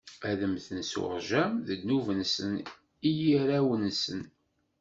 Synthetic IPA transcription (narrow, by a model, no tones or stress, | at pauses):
æðəmθənsṵʁʒæmðəd̪nuvənsən | ijiɾæwənsən